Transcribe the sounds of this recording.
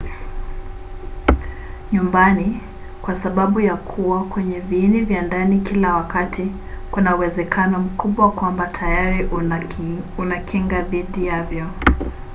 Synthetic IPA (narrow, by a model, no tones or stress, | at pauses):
ɲumbani | kwasaɓaɓujakʰuwakwɛɲɛviinivjandanikilawakatʰi | kunauwɛzɛkʰanɔm̩kuɓwakwambatʰajaɾi | unakʰiŋɡaɓiɗijavjɔ